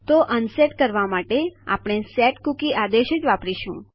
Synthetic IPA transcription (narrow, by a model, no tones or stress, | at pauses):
t̪oʔənseʈkəɾʋamaʈea̰pɽ̃esɛʈkukiʔad̪eʃid͡ʒʋapɾiʃũ